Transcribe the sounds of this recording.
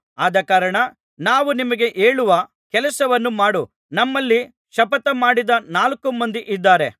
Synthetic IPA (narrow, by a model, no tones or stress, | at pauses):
aːd̪ɐkaːɾɐɳɐ | naːʋunimɐɡe̞ʔe̞ːɭuʋɐ | kɛlɐsɐʋɐnːumaːɽu | nɐmːɐlːi | ʃɐpɐt̪ɐmaːɽid̪ɐnaːlɐkumɐnd̪iʔid̪ːaːɾe̞